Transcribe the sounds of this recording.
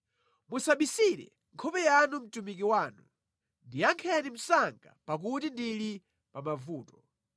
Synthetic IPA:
musaɓisiɾɛ̰ | ŋkʰɔpɛjanum̩tumik̬iwaːnu | ndijaŋkʰɛnim̩saŋɡa̰pak̬utindili | pamavuːtɔ̥

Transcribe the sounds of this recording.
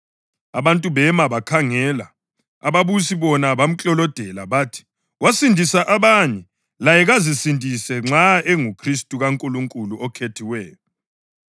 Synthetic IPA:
aβantʼuβɛmaβakʰaŋɛla̰ | a̰βaβusiβɔnaβam̩t͡ɬʼɔlɔd̥ʱɛla̰βaːtʰi̥ | wasindʱisaʔaβaɲɛ | lajɛɣazisindʱʼisɛŋ͡ǁaeŋukʰristʼuɣaŋkʼuluŋkʼuluʔɔkʰetʰiwɛːjɔ

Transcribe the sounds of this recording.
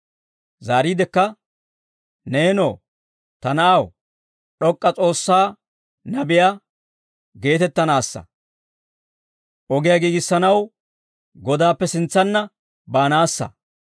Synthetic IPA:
zaːɾiːd̪ɛkːɐ | ne̞ːno̰ː | t̪ɐnɐʔaw | ɗɔkʼːɐt͡sʼo̞ːsːaː | nɐbɪja | ɡe̞ːt̪ɛt̪ːɐnaːsːɐ̰ | ʔɔɡɪjaɡiːɡɪsːɐnɐw | ɡɔd̪aːpːɛsɪnt͡sːɐnːɐ | baːnaːsːɐ̰

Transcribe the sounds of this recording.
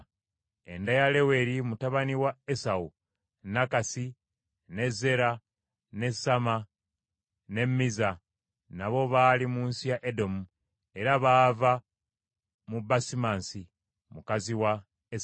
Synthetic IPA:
e̞ndajale̞we̞ɾimutaβaniwaesau | nakasi | ne̞ze̞ɾa | ne̞sama | ne̞mːiza | naβo̞βaːlimuːnsijaʔedo̞mu | e̞ɾaβaːva | mubasimaːnsi | mukaziwa | es

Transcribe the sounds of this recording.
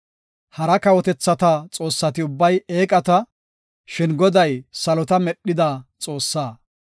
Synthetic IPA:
hɐɾɐkɐwɔt̪ɛt͡sːɐt̪ɐt͡sʼo̞ːsːɐt̪ɪʊbːɐje̞ːkʼɐt̪ɐ | ʃɪnɡɔd̪ɐjsɐlɔt̪ɐmɛɗːɪd̪at͡sʼo̞ːsːaː

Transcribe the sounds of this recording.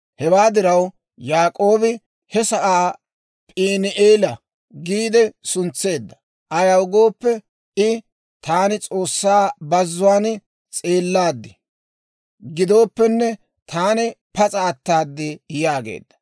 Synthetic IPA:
hɛwaːd̪ɪɾɐw | jaːkʼo̞ːbɪ | hɛsɐʔaː | pʼiːnɪʔeːlɐ | ɡiːd̪ɛsʊnt͡sːe̞ːd̪ːɐ̥ | ʔɐjɐwɡo̞ːpːɛ | ɪ | t̪aːnɪt͡sʼo̞ːsːaːbɐzːʊwaːn | t͡sʼeːlːaːd̪ːɪ | ɡɪd̪o̞ːpːɛnːɛ | t̪ʰaːnɪpɐt͡sʼaːt̪ːaːd̪ːɪjaːɡḛːd̪̥ːɐ̥

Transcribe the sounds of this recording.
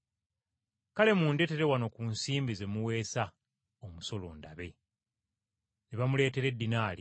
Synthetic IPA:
kale̞munde̞te̞ɾe̞wano̞kuːnsiːmbize̞muwe̞ːsa | omuso̞lo̞̰ːndaβe̞ | neβamule̞ːte̞ɾe̞dːinaːli

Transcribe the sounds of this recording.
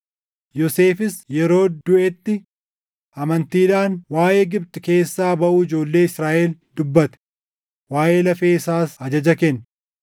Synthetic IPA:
jɔse̞ːfɪsjɛɾo̞ːd̪ʊʔɛt̪ːɪ | ɐmɐnt̪iːᶑ̪aːnwaːʔeːɡɪbt̪ɪke̞ːsːaːbɐʔuːɪd͡ʒo̞ːlːe̞ːɪsɾaːʔeld̪̥ʊbːɐt̪ɛ̥ | waːʔe̞ːlɐfeːɪsaːsɐd͡ʒɐd͡ʒɐkenː

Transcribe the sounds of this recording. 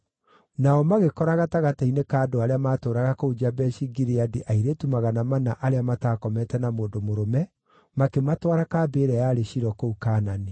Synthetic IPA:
naɔmaɣekɔɾaɣataɣatainekaːdoaɾeamaːtoːɾaɣakoud͡ʒabɛʃiɡiɾeadiʔaiɾetumaɣanamanaʔaɾeamataːkɔmɛtɛnamoːndomoɾomɛ | makematwaɾakaːbeːɾɛjaːɾeɕiɾɔkoukaːnane

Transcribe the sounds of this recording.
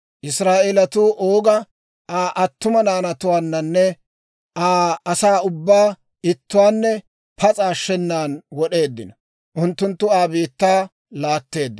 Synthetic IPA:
ʔɪsɾaːʔelɐt̪uːʔoːɡɐ | aːʔɐt̪ːʊmɐnaːnɐt̪ʊwaːnːɐnːɛ | ʔaːɐsaːʊbːaː | ɪt̪ːʊwaːnːɛ | pʰɐt͡sʼaːʃːɛnːaːnwɔɗe̞ːd̪ːɪnɐ | ʔʊnt̪ːʊnt̪ːʊaːbiːt̪ːaː | laːt̪ːe̞ːd̪ːɪ

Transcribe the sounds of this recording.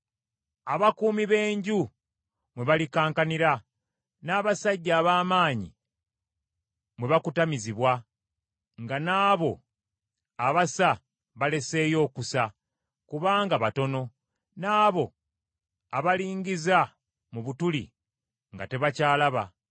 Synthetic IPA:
aβakuːmiβe̞ːɲɟu | mwe̞βalikaːŋkaniɾa | naːβasaɟːaːβaːmaːɲḭ | mweβakutamiziβwa | ŋɡanaːβo̞ | aβasa | βale̞se̞ːjo̞ːkusa | kuβaːŋɡaβato̞no̞ | naːβo̞ | aβaliːɲɡiza | muβutulḭ | ŋɡa̰te̞βacaːlaβa̰

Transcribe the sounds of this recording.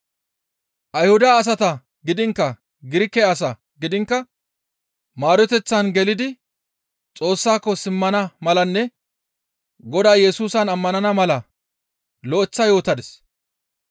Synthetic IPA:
ʔɐjhʊd̪aːs̬ɐt̪ɐ | ɡɪd̪ɪŋkːɐ | ɡɪɾɪkːɛɐsɐ | ɡɪd̪ɪŋkːɐ | maːɾɔt̪ɛt͡sːɐnɡɛlɪd̪ɪ | t͡sʼo̞ːsːaːkːɔsɪmːɐnɐmɐlɐnːɛ | ɡɔd̪aːjɛsuːsɐnɐmːɐnɐnɐmɐlɐ | lɔʔɛt͡sːɐjo̞ːt̪ɐd̪ɛs

